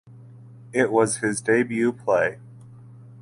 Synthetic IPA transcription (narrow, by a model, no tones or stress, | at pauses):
ɪʔ̚wʌz̥ɪzdeɪbjʉpʰl̥eɪ